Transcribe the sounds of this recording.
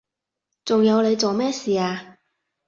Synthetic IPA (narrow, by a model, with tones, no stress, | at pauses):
t͡sʊ˨ŋjɐ˨˧wle˨˧jt͡so˨wmɛː˥siː˨aː˧